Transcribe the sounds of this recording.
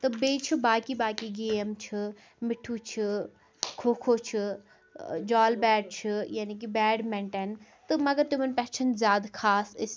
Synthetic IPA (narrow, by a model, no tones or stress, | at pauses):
t̪ɨbeːt͡ʃʰubaːkibaːkiɡeːmt͡ʃʰɨ | mɪʈʰːut͡ʃʰi | kʰoːkʰot͡ʃʰi | d͡ʒaːlbɛːɖ̚t͡ʃʰɨjaːnik̬ibɛːɖmɛɳʈɛnt̪ɨmɐɡɐɾt̪ʊmɐnpɛːt͡ʃʰənzʲjaːd̪kʰaːsɪs